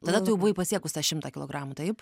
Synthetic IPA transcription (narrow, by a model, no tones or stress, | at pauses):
t̪ɐd̪ɐt̪ʊjɛʊbʊʋɐɪpɐsʲiɛkʊst̪ɑʃʲɪmt̪ɑːkʲɪlˠo̰ɡɾɑːmut̪ɐɪp